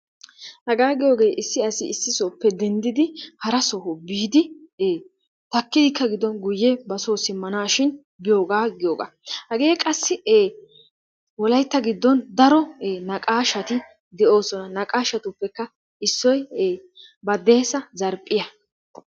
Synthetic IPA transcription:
hɐɡaːɡɪjo̞ːɡe̞ːʔɪsːɪɐsɪɪsːɪsopːɛd̪ɛnd̪ɪd̪ɪhɐɾɐsɔhɔbiːd̪ɪeː | t̪ɐkːɪd̪ɪkːɐɡɪd̪ɔnɡʊjːɛbɐsoːsɪmːɐnaːʃɪn | bɪjoːɡaːɡɪjoːɡa̰ːhɐɡeːkʼɐsːɪeː | wɔlɐjt̪ːɐɡɪd̪ːɔnd̪ɐɾɔeːnɐkʼaːʃɐt̪ɪ | d̪ɛo̞ːsɔnɐnɐkʼaːʃɐt̪ʊpːɛkːɐ | ɪsːɔjeː | bɐd̪e̞ːsɐzɐɾpʼːɪjɐ

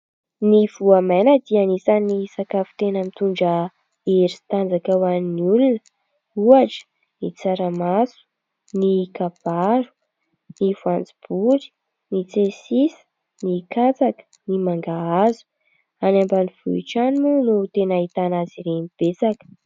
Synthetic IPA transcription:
niv̥uamanad̪ianisanisakavu̥t̪enəmit̪uɳɖ͡ʐə | eɾit̪and͡zakawaniniulunə | uaʈ͡ʂə̥ | nit͡saɾamasu̥ | nikab̥aɾu̥ | nivuand͡zi̥b̥uɾi̥ | nit͡sesisə̥ | nikat͡sakə̥nimaŋɡaazu̥ | anambaniv̥ṵḭʈ͡ʂanimunut̪enaɦit̪anaziɾenib̥esakə̥

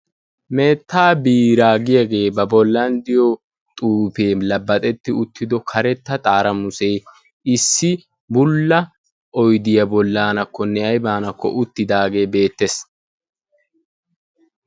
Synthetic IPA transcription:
me̞ːt̪ːaːbiːɾaːɡɪjɐɡe̞ːbɐbɔlːɐnd̪ɪjɔ | t̪ʼuːpeːlɐbːɐt̪ʼɛt̪ːɪʊt̪ːɪd̪ɔkʰɐɾɛt̪ːɐt̪ʼaːɾɐmʊsɛj | ɪsːɪ | bʊlːɐ | ʔɔjd̪ɪjɐbɔlːaːnɐkːɔnːɛɐjbaːnɐkːɔ̰ʔʊt̪ːɪd̪aːɡe̞ːbe̞ːt̪ːes

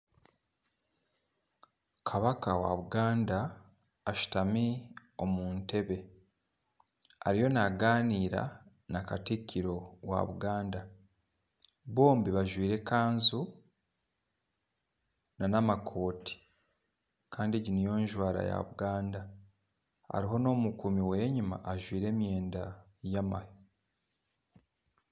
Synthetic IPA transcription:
kʰaβakawa̰βuɡaːndaː | ʃi̥tami | o̞muːnte̞βe̞ | a̰ɾijo̞naɡaːniːɾa̰ | nakatikʰːiɾo̞wa̰βuɡaːnda | βo̞ːmbiβaʒwiːɾe̞kaːnzu | nanamakʰo̞ːtʰi̥ | kʰaːndiɟinijo̞ːɲʒwaːɾa̰ja̰βuɡaːnda | a̰ɾiɦo̞no̞ːmukumiweːɲima̰ʔːʒwiːɾe̞ːmje̞ːnda | jama̰jo

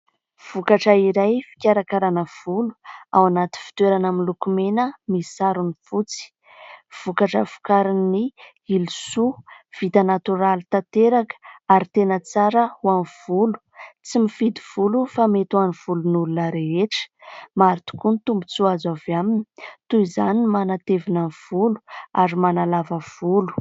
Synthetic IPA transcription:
v̥ukaʈ͡ʂəiɾajfi̥kʲaɾakaɾanəv̥ulu̥a̰wanat̪i̥fi̥t̪weɾanamilukumenəmisaɾunifut͡si̥ | v̥ukaʈ͡ʂəvu̥kaɾini | ilusuv̥it̪anat̪uɾalit̪at̪eɾakə̥aɾit̪enət͡saɾəwanv̥ulu̥t͡simifid̪iv̥ulufamet̪uaniv̥ulunulunəɾeeʈ͡ʂə̥maɾit̪u̥kunt̪umbut͡suazavjamini̥t̪uizaninmanat̪evinav̥ulu̥aɾimanalavəv̥ulu̥

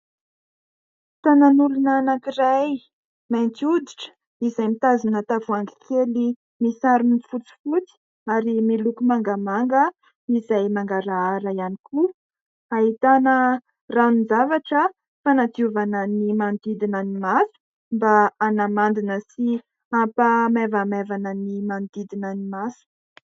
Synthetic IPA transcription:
t̪ananulunaanakiɾaj | mant̪iud̪iʈ͡ʂə̥ | izajmit̪azinət̪avuaŋɡi̥kʰeli | misaɾinifut͡si̥fut͡si̥ | aɾimilukumaŋɡamaŋɡə | izajmaŋɡaɾaaɾaianikʰu | aɦit̪anə | ranuzavaʈ͡ʂə | fanat̪iuvanənimand̪id̪inənimasu̥ | mbaːnamand̪inəsi | ampəmevamevanənimand̪id̪inənimasu̥

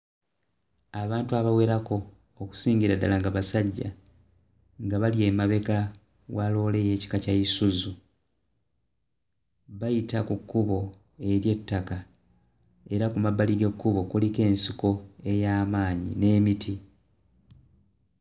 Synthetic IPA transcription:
aβaːntuaβawe̞ːɾako̞ː | ku̥siːɲɟiɾada̰laŋɡaβasaɟːa̰ | ŋɡaβalie̞ːmaβe̞ka | walo̞ːle̞je̞ːci̥kacajisuzu | βajitakukːuβo̞ | e̞ɾje̞tːaka | e̞ɾakumabːaliɡe̞kːuβo̞kulike̞ːnsiko̞e̞jaːmaːɲḭne̞ːmiti

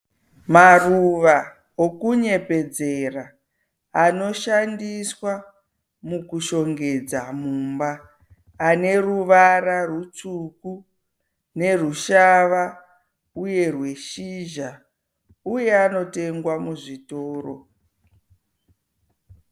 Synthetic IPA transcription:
maruʋa | okuɲe̞pe̞d͡ze̞raː | no̞ʃandiswa | mukuʃo̞ŋɡe̞d͡zamumbaː | ne̞ruʋararut͡ʂuku | ne̞ruʃaʋa | uje̞rwe̞ʃiʒa | uje̞ano̞te̞ŋɡwamuʐitoːro̰

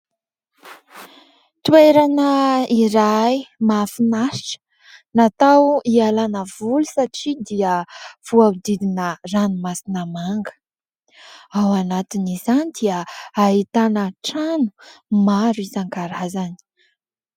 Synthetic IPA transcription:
t̪ueɾanəiɾaimafinaʃi̥ʈ͡ʂə̥ | nat̪awialanəvulu̥saʈ͡ʂid̪iəv̥uad̪id̪inəranumasinəmaŋɡə̥ | awanat̪inizanid̪iəaɦit̪anəʈ͡ʂanu̥maɾizaŋɡaɾazani̥

